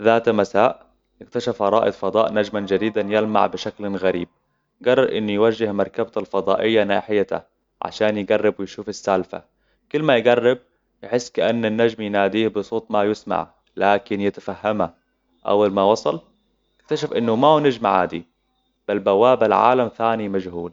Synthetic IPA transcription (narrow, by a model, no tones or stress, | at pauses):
ðaːt̪masaːʔ | jɪkt̪aʃafɑɾˤɑ̰ːʔɪd̪fɑd̪ˤɑːʔnad͡ʒmand͡ʒad̪iːd̪anjalma̰ʕbɪʃaklɣaɾiːb̚ | ɡɑrˤːɑɾʔɪnːujwad͡ʒːɪhmɑɾˤkabt̪alfɑd̪ˤɑːʔɪjːanaːħɪjat̪a̰ | ʕa̰ʃaːnjɪɡarˤːɪbwɪjʃuːfasːalfa̰ | kʊlːmajɡarˤːɪb̚ | jɪħɪsːkaʔanːanːad͡ʒmjnaːd̪iːhbɨsˤoːt̪ˤmajɪsma̰ʕ | laːkɪnjɪt̪ḁfahːama | ʔa̰wːalmawɑsˤɑl | jɪk̚t̪aʃafʔɪnːʊmawnad͡ʒmaʕa̰ːd̪i | b̥albawaːbalʕa̰ːlamθaːnimad͡ʒhuːl